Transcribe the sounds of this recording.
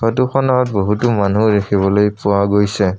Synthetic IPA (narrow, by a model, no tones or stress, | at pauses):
batuxɔnaɔt̚boɦutumanuɹexʰibɔlojpʊwaɡojsɛ